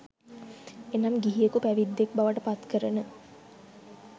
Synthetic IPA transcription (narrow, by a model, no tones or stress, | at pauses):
enamɡiɦijəkupæʋid̪ːek̚baʋəʈəpat̪kəɾənə